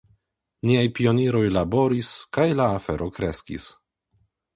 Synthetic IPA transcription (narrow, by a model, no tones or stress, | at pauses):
niajpio̞niɾo̞jlabo̞ɾiskajlaːfe̞ɾʔokɾe̞skḭs